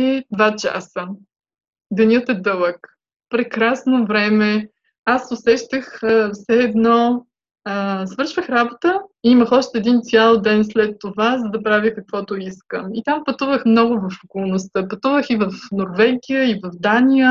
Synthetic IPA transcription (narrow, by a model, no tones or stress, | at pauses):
ɛd̪vat͡ʃa̰sə | d̪ɛnʲət̪ɛd̪ɤlˠək | pɾɛkɾasnovɾɛmɛ | asʊsɛʃt̪əxəfsɛːd̪nɔ | əsvɤɾʃvəxɾabot̪əiiməxɔʃt̪ɛːd̪int̪sʲjalˠd̪ɛnslɛt̪ːovazəd̪ɐpɾavʲikɐkvɔt̪ʊiskəmit̪ampɐt̪uvəxmnɔɡʊvɐfokolˠnʊst̪əpɐt̪uvəxivɐfnoɾvɛɡijəivɐvd̪anʲijə